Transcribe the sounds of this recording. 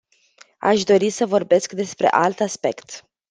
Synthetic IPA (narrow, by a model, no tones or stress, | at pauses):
a̰ʃd̪o̞ɾisəvo̞rbe̞skd̪e̞spɾe̞̰ʔalt̪aspe̞kt̪